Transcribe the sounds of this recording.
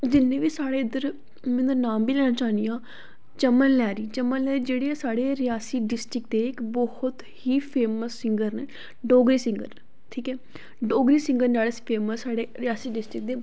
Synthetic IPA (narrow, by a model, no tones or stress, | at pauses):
d͡ʒɪnːẽːʋiːsaːɽeːɪd̪əɾ | mɛ̃ːd̪əɾnaːmbiːlɛːnaːt͡ʃaːnd̪ijãː | t͡ʃəmːənlɛːɾiːt͡ʃəmːənlɛːɾiːd͡ʒeːɽeɛːsaːɽeːɾɪjaːsiːɖɪsʈɾɪk̚d̪eːɪkbɔhʊt̪hiːpʰeːməsːɪŋɡəɾneː | ɖoːɡɾiːsɪ̃ŋɡə̰ɾ | ʈʰiːkɛː | ɖoːɡɾiːsɪ̃ŋɡəɾnd͡ʒaːɽeːspʰeːməsːaːɽeːɾɪjaːsiːɖɪsʈɾɪk̚d̪eː